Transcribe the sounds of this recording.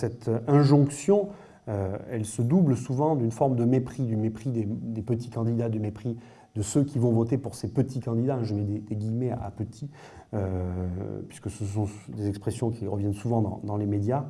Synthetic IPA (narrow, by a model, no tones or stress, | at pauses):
sɛt̪ɛ̃ʒɔ̃ksjɔ̃ | øɛlsəd̪ublsuvɑ̃d̪ynfɔʁmd̪əmepχid̪ymepχid̪ed̪epət̪i̥kɑ̃d̪id̪ad̪əmepχi | d̪əsøkʲivɔ̃vɔt̪epuʁsepət̪ʰikɑ̃d̪id̪aɛ̃ʒəvɛd̪ed̪eɡʲijmeaʔa̰pət̪ʰi | ø | pɥi̥skəsəsɔ̃d̪ezɛkspχesjɔ̃kʲiʁəvjɛnsuvɑ̃d̪ɑ̰̃d̪ɑ̃lemed̪ja